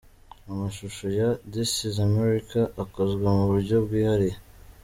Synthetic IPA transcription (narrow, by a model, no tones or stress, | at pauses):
amaʃuʃojadisizameɾikaʔːkozɡwemuβuɾɟo̞bɡiːhaɾe